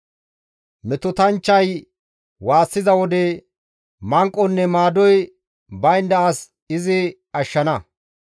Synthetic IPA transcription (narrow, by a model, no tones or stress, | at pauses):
mɛt̪ɔt̪ɐnt͡ʃːɐj | waːsːɪzɐwɔd̪ɛ | mɐŋkʼːɔnːɛmaːd̪ɔj | bɐjnd̪ɐʔɐs | ɪzɪ | ɐʃːɐnɐ